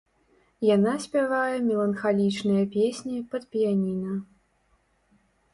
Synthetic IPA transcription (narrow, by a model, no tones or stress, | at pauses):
janasʲpʲavajɛmʲɛlˠɐnxalʲit͡ʂnɨjɐpʲesʲnʲipɐt̪pʲijanʲinɐ